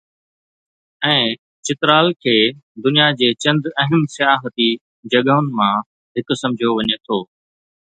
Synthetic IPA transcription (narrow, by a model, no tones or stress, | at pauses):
ɛ̃ː | t͡ɕɪt̪ɾaːlkʰeːd̪ʊnijad͡ʑeːt͡ɕɐ̃nd̪ɐɦəmsɪjaːɦət̪i | d͡ʑɐɠəɦʊnɪ̆mã | ɦɪksɐ̃md͡ʑʱijoʋɐɲet̪ʰoː